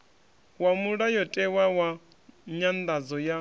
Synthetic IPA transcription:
wamuɺajɔtʼɛwawa | ɲand̪ad͡zɔja

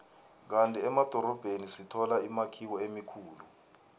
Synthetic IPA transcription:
k̬antʼiɛmad̥ʱɔɾɔb̥ʱenisitʰɔlaimakʰiwɔemikʰuːlu

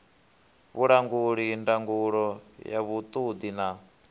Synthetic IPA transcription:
βuɺaŋɡuɺindaŋɡuɺɔja̰βut̪ʼud̪ina

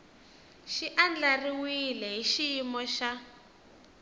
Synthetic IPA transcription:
ʃiʔand͡ɮariwilɛɦiʃiimɔʃa

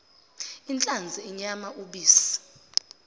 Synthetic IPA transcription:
int͡ɬʼand͡zʱiiɲamaʔuɓiːsḁ

